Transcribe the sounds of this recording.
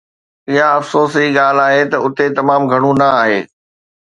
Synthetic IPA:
ɪɦaɐfsoːsiːɠaːl̤aːɦet̪ɐʊt̪et̪ɐmaːmɡʱɐɽ̃ũnɐaːɦḛː

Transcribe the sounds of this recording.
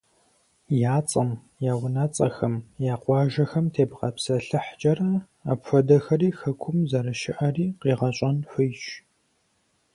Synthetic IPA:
jaːt͡sʼɐm | jaːwʊnɐt͡sʼɐxɐmjaːqʷɑːʒɐxɐmtʰeːbqɐpsɐɬɨħd͡ʒʼɐɾɐ | apfɐdɐxɐriːxɐkʷʰʊmzɐɾɐʃɪʔɐriːqiːʁɐɕʼɐnfɨjʒ

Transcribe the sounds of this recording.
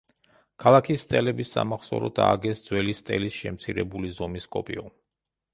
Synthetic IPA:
kʰalˠakʰisːt̪ʼɛlɛbisːa̰maχsɔ̰ɾɔd̪ʰaːɡɛsd̪zwɛlist̪ʼɛlisʃɛmt̪sʰiɾɛbulizɔmiskʼɔpʼiɔ

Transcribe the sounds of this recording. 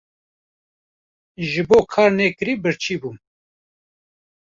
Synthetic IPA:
ʒɨboːkʰɑːɾneːkɨɾiːbɨɾt͡ʃʰiːbuːm

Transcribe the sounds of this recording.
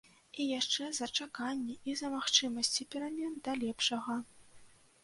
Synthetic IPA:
ijaʂt͡ʂɛzɐt͡ʂakanʲːɛizɐmaxt͡ʂɨmɐsʲt͡sʲipʲɛɾamʲɛnd̪ɐlʲɛpʂɐɣɐ

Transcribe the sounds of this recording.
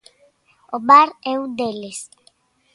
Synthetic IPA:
oβaɾɛwd̪eles

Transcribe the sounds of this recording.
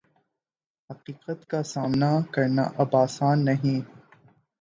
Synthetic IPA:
hɐqiːqət̪kasaːmnakɐɾna̰ʔɐbaːsaːnːɐɦĩː

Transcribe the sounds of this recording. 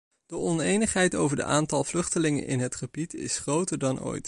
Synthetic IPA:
d̥əɔnejnəχɦɛjtowvəɹdə̰ʔaːntɑlˠvlɵχtəlɪŋə̰nʔɪ̰nɦətχəbitɪ̰sχrowtəɹdɑnʔo̰ːjt

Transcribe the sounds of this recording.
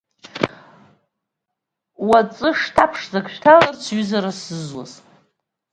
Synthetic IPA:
wat͡sʼɨʂtʰapʰʂzaɡʃᶣtʰalart͡sʰɥʏzaɾasɨzwa̰z̥

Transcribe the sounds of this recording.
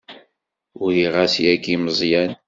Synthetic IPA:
ʊɾiʁasjækːiməzˤjæn

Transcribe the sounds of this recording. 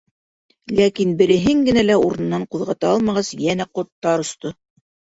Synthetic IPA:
lækinbɘ̆ɾɘ̆ɦɘŋɡɘ̆nælæuɾɤ̆n̆ːɑɴquðʁɑt̪ɑɑlˠmɑʁɑsjænæqŏt̪ːɑɾŏst̪o

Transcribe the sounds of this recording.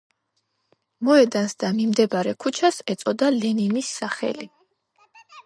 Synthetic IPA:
mɔɛd̪ansd̪amimd̪ɛbaɾɛkʰut͡ʃʰasɛt̪sʼɔd̪alɛninisːaχɛ̰li

